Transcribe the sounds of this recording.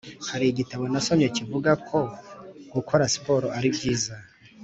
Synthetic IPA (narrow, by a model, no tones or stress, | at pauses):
haɾiɟitaβo̞naso̞mɲe̞civuɡakʰo̞ɡukʰo̞ɾasi̥po̞ɾoʔaɾibɟiːza